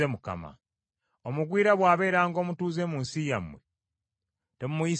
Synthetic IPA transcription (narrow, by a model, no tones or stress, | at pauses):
emuka̰ma̰ | omuɡwiːɾaβwaːβe̞ːɾaːŋɡo̞ːmutuːze̞ːmuːnsija̰mːwe | temumujis